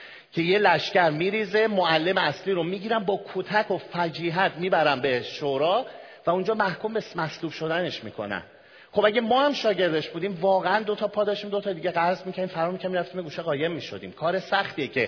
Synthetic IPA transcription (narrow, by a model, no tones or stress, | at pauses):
cʰe̞je̞læʃcæɾmiːɾiːze̞moælːe̞meæsliːɾomiːɟiːɾænbɒːkʰot̪ʰækʰo̞fæd͡ʒiːɦæt̪ʰmiːbæɾænbe̞ʃoɾɒː | væund͡ʒɒːmæhkʰumbemæsluːbʃo̞d̪æne̞ʃmḭːkʰo̞̰næ̰n | χo̞bæɟæmɒːhæmʃɒːɟe̞ɾd̪e̞ʃbuːd̪iːmvɒːɣeænd̪o̞t̪ʰɒːpʰɒːd̪ɒʃt̪imd̪ot̪ʰɒːd̪iɟeɣæzmicʰæd̪imfæɾɒɾmicʰæmiɾæft̪iːmeɡuːʃeɣɒːje̞mːiːʃo̞̰d̪ḭːmkʰɒːɾe̞sæxt̪iːecʰe̞